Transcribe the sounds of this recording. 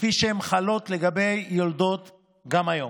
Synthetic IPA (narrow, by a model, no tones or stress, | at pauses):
fiʃeemχalo̞t̪le̞ɡabe̞jːold̪o̞t̪ | ɡamajo̞m